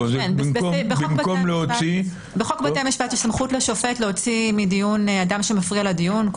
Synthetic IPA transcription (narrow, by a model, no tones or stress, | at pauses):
zenbimbobebimkomleot͡si | beχokbatemjiʃbatistamχutleʃo̞fetleo̞t͡simidijunadamʃemafʁialadijunk